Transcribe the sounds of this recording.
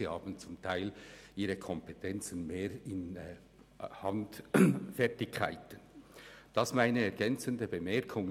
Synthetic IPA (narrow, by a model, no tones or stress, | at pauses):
ihɑːbən̩t͡sʊmtʰaɪlʔiːʁəkʰɔmpʰetʰɛnt͡sənmeːɾɪn | hɑndfɛɐtɪkʰːa̰ɪtənd̥ɑsmaɪnəɛɾɡ̥ɛnt͡səndəbəmɛʁkʰʊŋ